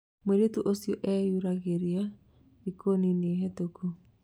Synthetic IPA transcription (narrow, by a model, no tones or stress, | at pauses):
mweɾetuʔosiɔʔɛjuɾaɣeɾia | ikonineeɦɛtoku